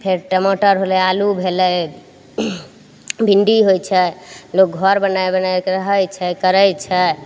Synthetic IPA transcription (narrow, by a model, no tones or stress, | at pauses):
pʰeɾʈəmoʈəɾɦolɛalubʱelɛ | bʱiɳɖiɦojt͡ʃʰɛlok̚ɡʱɔɾbənajbənajɾəɦət͡ʃʰɛkəɾəjt͡ʃʰɛ